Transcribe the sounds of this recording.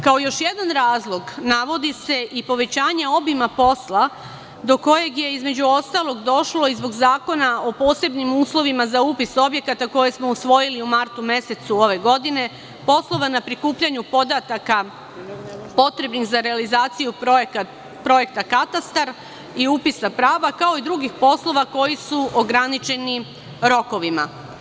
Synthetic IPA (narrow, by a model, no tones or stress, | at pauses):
kaojo̞ʃje̞d̪anɾaːzlˠo̞ɡnaʋo̞d̪ise̞ʔipo̞ʋe̞t͡ɕaːɲeo̞bimapo̞slˠa | d̪o̞ko̞je̞ɡje̞izme̞d͡ʑuo̞st̪alˠo̞ɡd̪o̞ʃlo̞izbo̞ɡzaːko̞nao̞po̞ːse̞bnimuːslˠo̞ʋimazaupiso̞bje̞kat̪ako̞je̞smo̞usʋo̞jiliumaɾt̪umje̞set̪suo̞ʋe̞ɡo̞d̪ine̞ | po̞slˠo̞ʋanapɾikuːpʎaɲupo̞d̪at̪aka | po̞t̪ɾe̞bnixzaɾe̞alizaːt̪siju | pɾo̞je̞k̚t̪akat̪ast̪aɾ | iupisapɾaːʋakao̞id̪ɾuɡixpo̞slˠo̞ʋako̞jisuoɡɾanit͡ʃe̞ni | ɾo̞ko̞ʋima̰